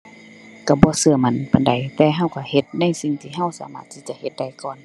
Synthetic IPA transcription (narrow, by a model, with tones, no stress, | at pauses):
ka˧˩bɔː˧˦sɯ˧ɐ˨ma˧˨npa˨˧˨nda˨˩jt̪ɛː˧ɦa˧˩˨wka˧˩he˧˦t̪̚na˧˥˨jsi˧˨ŋt̪ʰiː˧˨ɦa˧˥˨wsa̰ː˨˦maː˧˩t̪ʰːiː˧t͡ɕa˧˨he˧˦t̪̚da˧˩jkɔː˧˨n